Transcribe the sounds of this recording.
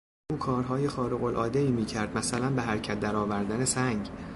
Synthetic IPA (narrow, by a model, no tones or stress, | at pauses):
ʔuːkʰɒːɾɦɒːjexɒːɾeɣo̞lʔɒ̰ːd̪eiːmiːcʰæɾd̪̥mæsælænbeɦæɾcʰæt̪̚d̪æɾɒːvæɾd̪ænesæŋɟ